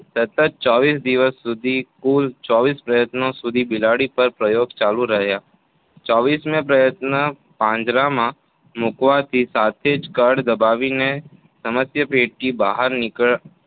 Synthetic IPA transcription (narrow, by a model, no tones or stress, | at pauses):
sɐt̪ət̪̚t͡ʃɔːbiːsd̪ɪʋəsːʊd̪ʱikuːlt͡ʃɔːbiːspɾəjət̪nõsʊd̪ʱibɪlaːɽipɐɾpɾəjoːɡt͡ʃaːluɾɐɦjaː | t͡ʃɔːbiːsmẽpɾɐjət̪nə | pãːd͡ʒɾamã | mʊkʋat̪ʰisaːt̪ʰeːd͡ʒkəɾɖd̪ɐbaːʋine | sɐməsjəpeːʈ̚kibaːɦəɾnɪkəɭ